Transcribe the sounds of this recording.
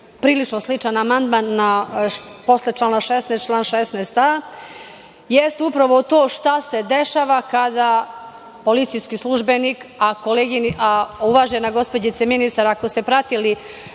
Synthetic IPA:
pɾiːlit͡ʂnoslit͡ʃanamand̪manːa | po̞slet͡ʃlˠanaʃesnest̪̚t͡ʃlˠaːnʃesnest̪a | jest̪eupɾaʋot̪oːʃt̪ase̞d̪eʃaʋakad̪a | polit̪sijskislˠuʒbenikakoleːɡiniʔauʋaʒenaɡo̞spod͡ʑit̪eminist̪aɾakosepɾat̪ili

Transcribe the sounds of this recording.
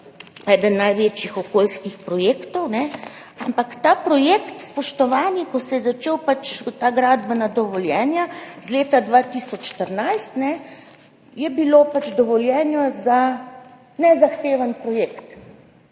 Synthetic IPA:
ɛd̪ənːajʋeːt͡ʃjixɔkoːlskixpɾɔjeːkt̪ɔwnɛ | ampakt̪apɾɔjeːkt̪spɔʃt̪ɔʋaːnikɔsɛjɛzat͡ʃeːwpat͡ʃt̪aːɡɾaːd̪bənad̪ɔʋɔljɛːnjazleːt̪ad̪ʋat̪isɔt͡ʃʃt̪əɾnajst̪nɛ | jɛbiloːpat͡ʃd̪ɔʋɔljɛːnjɔza | nɛzaxt̪eːʋanpɾɔjeːkt̪

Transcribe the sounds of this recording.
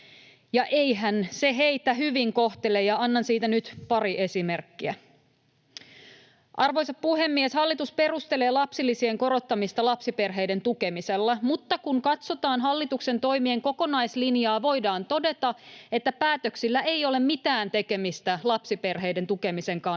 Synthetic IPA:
jɑʔejɦænse̞ɦe̞it̪ːæɦyʋiŋko̞ht̪elejɑɑnːɑnsiːt̪ænyt̪pɑɾiʔe̞sime̞rkːiæ | ʔɑrʋo̞jsɑppuɦe̞mːieshɑlːit̪uspe̞rust̪ele̞ːlɑpsilːisie̞ŋko̞ɾo̞t̪ːɑmist̪ɑlɑpsipe̞rɦe̞ijde̞nt̪uke̞miselːæmut̪ːɑkuŋkɑt̪so̞t̪ɑːnɦɑlːit̪ukse̞nt̪o̞jmieŋko̞ko̞nɑjslinjɑːʋo̞jdɑːnt̪o̞de̞t̪ɑe̞t̪ːæpæːt̪øksilːæe̞io̞le̞mmit̪æːnt̪e̞ke̞mist̪ælɑpsipe̞rɦe̞jde̞nt̪uke̞mise̞ŋkɑn

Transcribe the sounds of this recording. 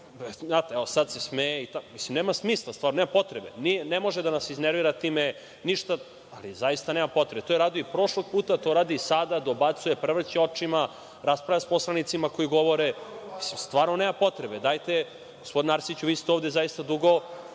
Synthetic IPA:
at̪eɛosad̪sesmejeit̪amislimneːmasmiːslˠast̪vaːɾnoneːmapo̞t̪ɾebe̞̰nienemo̞ʒed̪anasizneɾʋiːɾat̪iːme | niʃt̪a | alizaist̪aneːmapo̞t̪ɾebet̪ojeɾaːd̪oipɾo̞ʃlˠo̞ɡ̚puːt̪at̪o̞ɾaːd̪isad̪ad̪obat̪sujepɾrʋr̩t͡ɕeo̞t͡ʂima | ɾaspɾaʋjasposlˠanit̪simako̞jiɡo̞ʋo̞ɾemi̥simst̪vʋaːɾnoneːmapo̞t̪ɾebed̪ajt̪e | ɡospod̪inaɾsit͡ɕuʋiːst̪eoːvd̪e̞zaist̪ad̪uɡo̞

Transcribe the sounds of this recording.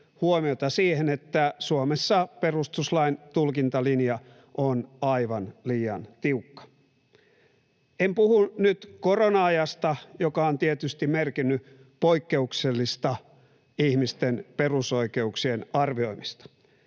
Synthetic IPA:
huomiot̪ɑsiːhenet̪ːæsuomesːɑperust̪uslɑint̪ulkint̪ɑlinjɑ | ʔonɑiʋɑnliːɑ̰nt̪iukːɑ̥ | empuhunyt̪koronɑɑjɑst̪ɑjokɑont̪iet̪yst̪imerkinːy | poikːeukselːist̪ɑ | ihmist̪enperuso̞ike̞uksienɑrʋio̞imist̪ɑ̥

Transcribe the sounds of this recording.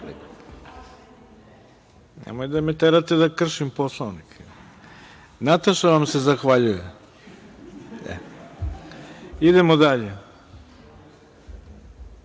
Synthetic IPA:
nḛmojd̪amet̪eɾat̪ed̪akr̩ʃimposlˠoʋnikʰe | nat̪oʃeʋamse̞zaxʋaʎuje | ɛ̰ | id̪emod̪aʎe

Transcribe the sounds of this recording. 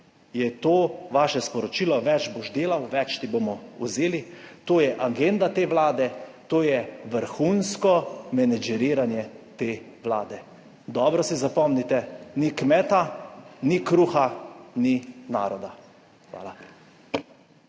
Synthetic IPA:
jɛt̪oːʋaːʃɛspɔɾɔt͡ʃiːlɔʋɛt͡ʃboʒd̪eːlawʋɛt͡ʃt̪ibomɔuzeːlit̪oːjɛʔaɡend̪at̪eːʋlaːd̪ɛt̪oːjɛʋəɾxunskɔmɛnɛd͡ʒɛɾiːɾanjɛt̪eː | ʋla̰ːd̪ɛ | d̪ɔːbɾɔsizapɔmnit̪ɛnikmɛːt̪anikɾuːxanina̰ːɾɔd̪a | xʋa̰ːla

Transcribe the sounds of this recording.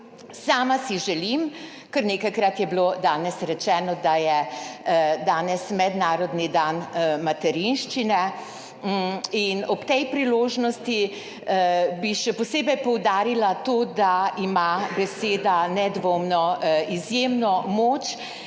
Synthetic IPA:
saːmasiʒɛlim | kəɾnekajkɾat̪jɛblod̪aːnɛsɾɛt͡ʃɛːnɔd̪ajɛ | d̪aːnɛsmɛd̪naːɾɔd̪nid̪aːnmat̪ɛɾinʃt͡ʃinɛ | inɔpt̪ɛjpɾiloːʒnɔst̪i | biʃɛpɔseːbɛjpɔwd̪aːɾilat̪oːd̪aimabɛseːd̪anɛd̪ʋoːmnɔizjeːmnɔmoːt͡ʃ

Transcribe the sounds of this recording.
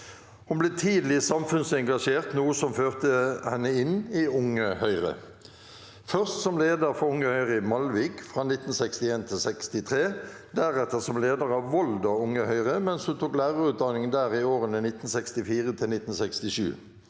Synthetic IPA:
hʊnbleːt̪ʰiːd̪lɪsɑmfʉnsɛŋɡɑʂeːʁt̪nuːəsɔmføːʁt̪əhɛnːəɪnɪʊŋəhœʏʁə̰ | fœʁst̪sɔmleːd̪əʁfɔʊŋːəhœʏʁɪmɑlʋɪkfʁɑnɪt̪ːn̩sɛkst̪ɪeːnt̪ʰɪlsɛkst̪ɪt̪ʰʁeː | d̪æʁɛt̪əʁsɔmleːd̪əʁɑːʋʋɔld̪ɔʊŋəhœʏʁəmɛnshʊnt̪ʰuːklæːʁəʁʉːt̪̚d̪ɑnɪŋənd̪æːʁɪoːʁənənɪt̪n̩sɛkst̪ɪfiːʁət̪ʰɪlnɪt̪ːn̩sɛkst̪ɪʃʉ̰ː

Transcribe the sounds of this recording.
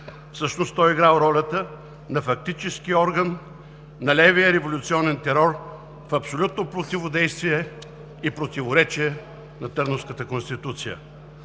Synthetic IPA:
fsɤʃnost̪ɔjiɡɾalˠɾɔlʲət̪ə | nɐfɐk̚t̪it͡ʃɛskiɔɾɡənː | ɐlɛvijəɾɛvolʲʊt̪siɔnɛnt̪ɛɾɔɾ | fɐpsolʲut̪nopɾot̪ivod̪ɛjst̪viɛ | ipɾot̪ivoɾɛt͡ʃiɛ | nɐt̪ɤɾnofskət̪əkonst̪it̪ut̪sijə̰

